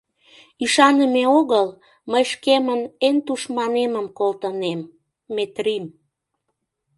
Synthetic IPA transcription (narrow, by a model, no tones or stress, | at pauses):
iʃɑnəmeoɣəl | məjʃkemənent̪uʃmɑneməmkolt̪ənemː | et̪rim